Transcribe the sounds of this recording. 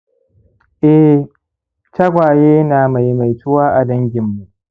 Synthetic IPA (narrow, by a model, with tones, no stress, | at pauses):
ʔɛ˦ | tɐ˦ɡʷaː˨jeː˦naː˨ma˨jma˨jtʊ˦waː˦ʔa˨dɐ˦ŋɡʲɪ˨mːu˨ʔ